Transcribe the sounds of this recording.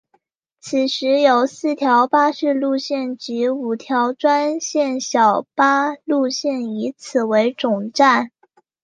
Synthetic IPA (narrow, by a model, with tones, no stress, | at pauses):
t͡s̩ʰ˨˩ʂɻ̩˧˥jo˨˩ʊsɹ̩˥˩t̪ʰjɑ˧˥ʊpa˥ʂɻ̩˥˧lu˥˧ɕjɛ˥˩nt͡ɕi˧˥u˨˩t̪ʰjɑ˧˥ʊʈ͡ʂwa˥nɕjɛ˥˩nɕjɑ˨˩ʊpa˥lu˥˧ɕjɛ˥˩ni˧˥t͡sʰɹ̩˨˩we˧˥ɪʈ͡ʂʊ˨˩ŋʈ͡ʂa˥˩n